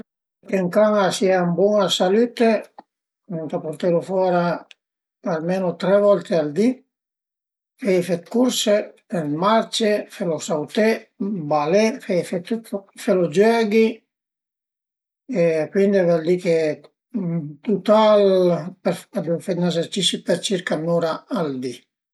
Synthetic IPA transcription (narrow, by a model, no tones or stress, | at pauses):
keŋkaŋasiambwɔŋasalyt̪e | nunt̪apoɾt̪elofwɔːɾa | almeːnot̪ɾɛvɔlt̪eald̪i | fɛjfet̪kuɾse | emaɾt͡ʃefelosawt̪ebalefɛjfet̪felod͡ʒɛːɡi | ekwind̪ivɛld̪ike | t̪ut̪alpeɾfad̪ufet̪nɛseɾt͡ʃisipeɾt͡ʃiɾkanuɾaald̪i